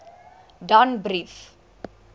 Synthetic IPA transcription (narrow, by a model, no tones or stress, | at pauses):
ɖãnbɾif